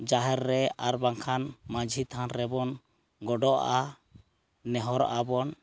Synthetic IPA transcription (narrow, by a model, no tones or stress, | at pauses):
d͡ʒaɦɛɾːɛaɾbaŋkʰanmad͡ʒʱit̪ʰanɾɛbɔn | ɡɔɖɔʔa | nɛɦɔɾʔabɔn